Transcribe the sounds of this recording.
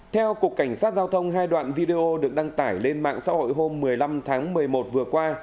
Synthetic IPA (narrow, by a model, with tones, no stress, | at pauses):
t̪ʰɛ˧wku˨˩əkːa˧˩jŋ̟saː˦˥t̚zaː˧wt̪ʰə˧wŋ͡mɦaː˧jɗwa̰ː˧˨nvi˧ɗe˧ʔo˧ɗɨ˨˩ək̚ɗa˧ŋt̪aː˧˩jle˧nma̰ː˧˨ŋsa̰ː˧˥ho̰˧˨jɦo˧mːɨ˨˩əjla˧mt̪ʰaː˨˦ŋmɨ˨˩əjmo˨˩t̚vɨ˨˩əkwaː˧